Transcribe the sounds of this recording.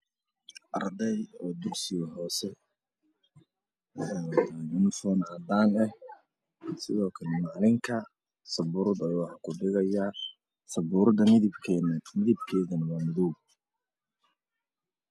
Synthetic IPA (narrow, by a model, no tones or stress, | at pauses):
ʔɐrd̪ɛjɔːd̪ʊrsɪjɔɦɔːsɛ | mʊnɪfɔːnad̪aːnɛh | sɪðɔːkʰɐlɛmaːlɪŋkʰɐ | sɐbʊːɾd̪ɐwɑħɑkʰʊɖɪɣɐjɐ | sɐbʊːɾd̪ɐmɪðɪbʰmɪðɪb̚kʰɛːðɐnɐwaːmɪðɔɡ